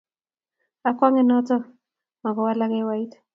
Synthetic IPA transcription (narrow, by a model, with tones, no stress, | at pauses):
a˨kwa˦ŋɛ˨nɔ˦tɔ˦ | ma˨kɔ˨wa˦la˦kɛ˦wa˦i˦t